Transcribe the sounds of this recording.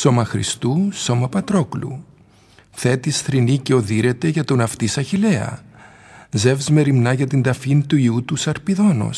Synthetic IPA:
so̞mɐxɾḭst̪uso̞mɐpɐt̪ɾo̞klṵ | θe̞t̪isθɾiniceo̞ðiɾe̞t̪e̞ʝɐt̪onɐft̪isɐçile̞ɐ̰ | ze̞vzme̞ɾimnɐʝɐt̪ind̪ɐfint̪uiut̪usɐɾpiðo̞no̰s

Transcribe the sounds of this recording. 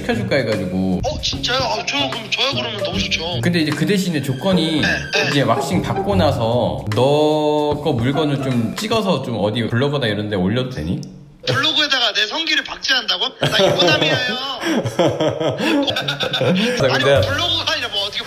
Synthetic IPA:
i̥kʰjʌd͡ʑuɭk͈aiɡad͡ʑiɡoʌt͡ɕint͡ɕ͈at͡ɕokmt͡ɕʌjaɡɯɾʌmjʌnʌɕit͡ɕokɯnde̞id͡ʑe̞kɯde̞ɕʰinet͡ɕok͈ʌɲiid͡ʑe̞wak̚ɕ͈iŋpak̚k͈onasʰʌnʌk͈ʌmuɭɡʌnɯɭt͡ɕomt͡ɕ͈iɡʌsʰʌt͡ɕomʌdipuɭːʌɡʌnaiɾʌnde̞oʎːʌdodḛɲi | puɭːʌɡoedaɡanesʰʌŋɡiɾɯɭpak̚t͡ɕ͈iɦandaɡo | sakɯndeːʌɡoaiɾʌmʌtʰɯke

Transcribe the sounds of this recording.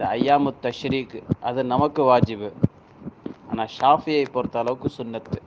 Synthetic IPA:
ɐɐjːaːmɯt̪ːɐʃɾiːkʔɐðɯnɐmɐkːɯʋaːd͡ʒɪbɯ | aːnaːʃaːfɪjɐɪpːoːɾt̪ːaːlɐʋɯkːɯsʊnːɐt̪

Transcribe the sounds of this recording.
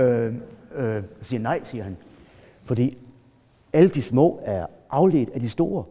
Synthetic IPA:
siːɐnɑ̈ɪ̰siːɐɦæn | fɒ̽d̥ḭː | æləd̥ismɔ̰̽ːæɐ | ʔɑ̈ʊle̝̰ːd̥æd̥isd̥o̝ːɐ

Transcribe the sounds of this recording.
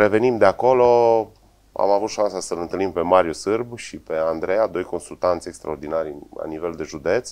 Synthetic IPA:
ɾe̞ve̞nimd̪eako̞lo̞ | a̰mavut̪ʃansasəlɨnt̪ɨlimpe̞maɾiusɨrbʃipe̞and̪ɾe̞jad̪o̞jko̞nsult̪ant̪sʲe̞kst̪ɾaord̪inaɾʲla̰nive̞ld̪e̞ʒud̪e̞t̪s

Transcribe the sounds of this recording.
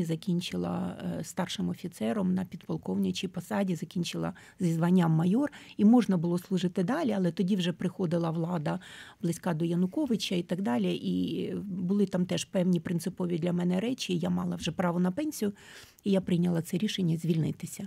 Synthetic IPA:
zɐkʲinʲt͡ʃɪlˠɐ̰st̪ɑrʃɪmɔfʲit̪sɛɾɔmnɐpʲid̪pɐlˠkɔwnʲɪt͡ʃʲipɔsɑdʲizɐkʲinʲt͡ʃɪlˠɐ̰ | zʲizʋɐnʲːamːɐjɔrimɔʒnɐbʊlˠɔslˠʊʒɪt̪ɪd̪ɑlʲiɐlˠɛt̪ɔdʲiwʒɛpɾɪxɔd̪ɪlˠɐʋlˠɑd̪ɐblˠɪsʲkɑd̪ɔjɐnʊkɔʋɪt͡ʃʲɐit̪ɐɡd̪ɑlʲiʔibʊlˠɪt̪ɑmt̪ɛʃpɛwnʲipɾɪnsɪpɔʋʲid̪lʲɐmɛnɛɾɛt͡ʃʲiːjamɑlˠɐwʒɛpɾɑʋɔnɐpɛnʲsʲijʊ | ijapɾɪjnʲɐlˠɐt̪sɛɾʲiʃenʲːɐzʲʋʲilʲnɪt̪ɪsʲɐ

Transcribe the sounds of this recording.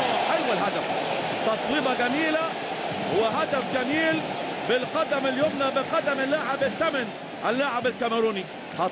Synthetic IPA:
ħalwalɦad̪af | t̪ɑsˤwiːbɑɡamiːla | wɪɦad̪afɡamiːlbɪlqɑd̪amɪljoːmnabɪqɑd̪amɪlːaʕɪbɪt̪ːaman | ʔɪlːaʕabɪlkamɾuːni | hɑ

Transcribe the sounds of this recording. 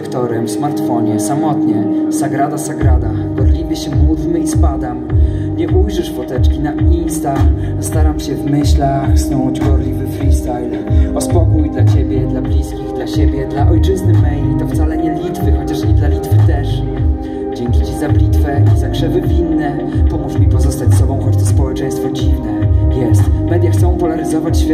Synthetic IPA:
kt̪ɔɾɛmsmaɾt̪fɔɲɛsamɔt̪ɲɛsaɡɾad̪asaɡɾad̪aɡɔɾlʲimɘɕɛmuvmɘispad̪am | ɲɛʔujʐɘʂfɔt̪ɛt͡ʂkʲinainst̪a | st̪aɾamɕɛvmɘɕlaxsnɔw̃d͡ʑɡɔɾlʲivɘfɾist̪ajl | ɔspɔkujd̪lat͡ɕebʲjɛd̪lablʲiskʲivd̪laɕebʲjɛd̪laʔɔjt͡ʂɘznɘmɛjit̪ɔft̪salɛɲɛlʲit̪fɘxɔt͡ɕaʂid̪lalʲit̪fɘt̪ɛʂ | d͡ʑɛŋkʲit͡ɕizablʲit̪fɛizakʂɛvɘvʲinːɛ | pɔmuʂmʲipɔzɔst̪at͡ɕʲsɔbɔ̃w̃xɔt͡ɕt̪ɔspɔwɛt͡ʂɛɲj̃st̪fɔd͡ʑivnɛjɛst̪mɛd̪ʲjaxtsɔ̃w̃pɔlaɾɘzɔvat͡ɕɕfʲ

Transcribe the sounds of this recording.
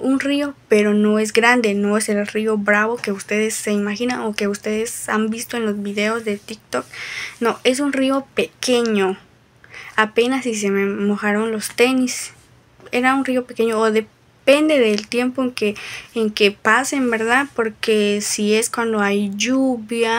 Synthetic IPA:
unrio̞peɾo̞no̞e̞z̬ɡɾand̪e̞noeselrio̞bɾaβo̞ke̞ust̪e̞ðesːe̞imaxinaŋoke̞ust̪e̞ðesambist̪oenlozβiðeozðe̞t̪ik̚t̪oknoʔe̞s̬unrio̞pekeɲo | apenasis̬ememoxaɾonlost̪enis | eɾaunrio̞peke̞ɲoːðe | pe̞nd̪e̞ðelt̪je̞mpoeŋkeːŋkepasembeɾðaðpoɾkesie̞skwand̪oajʝuβja

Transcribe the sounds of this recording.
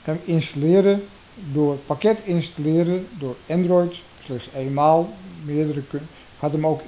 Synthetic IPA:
kɛmɪnstalɪːəɾə | doːrətpakɛtɪnstalɪːɾədoːrɛndrɔjt | slɪxseːnmaːlˠmɪədərək | khatəmowk

